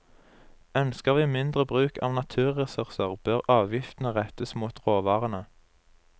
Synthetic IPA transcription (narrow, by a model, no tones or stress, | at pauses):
œnskəʁʋiːmɪnd̪ʁəbʁʉːkʰɑ̰ːʋnɑt̪ʰʉːʁɛsʉʁsəʁb̥øːʁɑːʋjɪft̪n̩əʁɛt̪əsmuːt̪ʁoːʋɑːʁənə